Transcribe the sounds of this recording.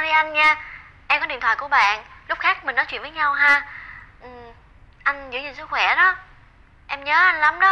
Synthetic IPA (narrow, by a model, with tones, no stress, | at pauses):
ɾi˧ʔa˧jnɲaː˧ | ʔɛ˧mkɔ˨˦i˨˧˨ət̪ʰwaː˧˨˩ku˧˩əɓa̰ː˧˨nlʊ˦˥k͡p̚xaː˦˥k̚mï˨˩ŋnɔ˨˦t͡ɕw̰nvəː˨˦jɲa˧wɦaː˧ʔɨ˨˩m | ʔa˧jŋ̟zɨ̰˧˥˦ɲɨ˧˩ns̬ɨ˦˥k̚xwɛ˧˩ɗɔ˨˦ | ʔɛ˧mɲəː˨˦ʔa˧jnla˨˦mɗə˨˦